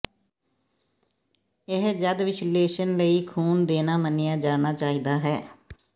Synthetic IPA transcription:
ɪɦd͡ʒəd̪ʋɪʃleːʃənləiːkʰuːnd̪eːnaːmənɪjaːd͡ʒaːnaːt͡ʃaːiːd̪aːɦɛː

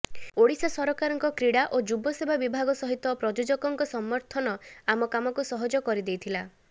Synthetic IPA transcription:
oɽisɔsɔɾɔkaɾɔŋkɔkɾiɽaʔod͡ʒubɔsebʱabibʱaɡɔsɔɦit̪ɔpɾɔd͡ʒod͡ʒɔkɔŋkɔsɔmːɔɾt̪ʰɔnɔamɔkamɔkusɔɦɔd͡ʒɔkɔɾid̪ejt̪ʰila

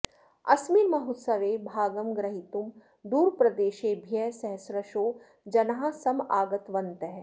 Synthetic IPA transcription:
ɐ̰sminmɐɦut̪sɐʋeːbʱaːɡəmɡɾɐɦit̪um | d̪uːɾpɾɐd̪eːʃeːbʱjɛsɛɦsɾɐʃoː | d͡ʒɐnɦãsɐmaːɡɐt̪ʋɐnt̪ɐɦ

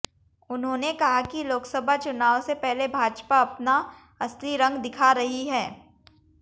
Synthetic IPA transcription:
ʊnɦõːnekɐɦakiloːksɐbʱat͡ʃʊnaːwsepɛɦlebʱaːd͡ʒpaɐpna | ɐst̪ɾiɾɐ̃ŋɡd̪ɪkʰaɾɐɦiɦɛː

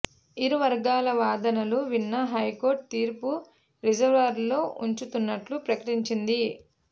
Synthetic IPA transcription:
iɾuʋɐɾɡaːlɐʋaːd̪ɐnɐluʋinːɐɦɐjko̞ːɾʈ̚t̪iːɾpu | ɾid͡ʒɐɾʋɐɾlo̞ːʔuɲt͡ʃut̪unːɐʈlupɾɐkɐʈiɲt͡ʃind̪i

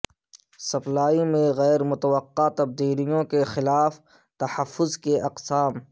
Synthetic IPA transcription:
sɐplaːimẽɣɛːɾmʊt̪əwəqːat̪ɐb̚d̪iːlijõkexɪlaːf | t̪ɐhɐfːʊzkeʔɐqsaːm

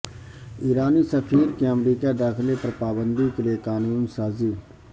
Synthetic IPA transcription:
iːɾaːnisəfʰiːɾkeəmɾiːkad̪aːxɪlepɐɾpaːbənd̪ikeliekaːnuːnsaːziː

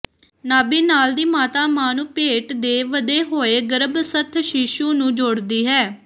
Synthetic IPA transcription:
naːbiːnaːld̪iːmaːt̪aːmaːnũːpeːʈd̪eːʋəd̪eːɦoːeːɡəɾəbsət̪ʰʃiʃuːnũːd͡ʒoɽd̪iːɦɛː

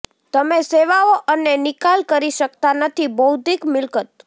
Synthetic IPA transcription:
t̪əmeseʋaoʔənːenɪkalkəɾiʃəkt̪anət̪ʰibəud̪ʱikmɪlkət̪̚

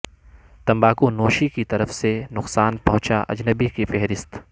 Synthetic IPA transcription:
t̪ɐ̃mbaːkõnoːʃikit̪ɐɾəfsenʊqsaːnpɐ̃ɦʊ̃t͡ʃaʔɐ̰d͡ʒnəbikifɛɦɾɪst̪

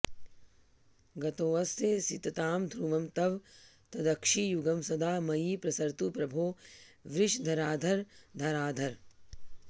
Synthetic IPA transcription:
ɡɐt̪oːʋɐst̪esit̪ɐt̪aːmd̪ʱɾuːʋɐmt̪ɐʋt̪ɐd̪ɐkʂiːjuɡɐmsɐd̪ʱaːmɐjiːpɾɐsɐɾt̪upɾɐbʱoːʋɾɪʃd̪ʱɐɾaːd̪ʱɐɾd̪ʱɐɾaːd̪ʱɐɾ

